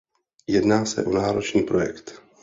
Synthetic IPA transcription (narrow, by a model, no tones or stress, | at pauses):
jɛdnaːsɛ̰ʔonaːɾo̞t͡ʃɲiːpɾo̞jɛkt̪